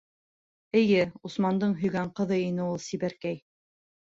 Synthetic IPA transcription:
ɘ̆jɘusmɑnd̪ɤɴɦɵ̆jɡæɴqɤ̆ðɤinɘulˠsiβæɾkæj

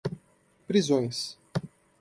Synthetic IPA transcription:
pɾizõj̃s

